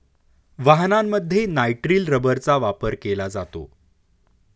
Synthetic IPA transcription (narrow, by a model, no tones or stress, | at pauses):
ʋaɦnamːəd̪ʱːjenajʈɾiːlɾəbəɾt͡saʋapəɾkelad͡zat̪o̰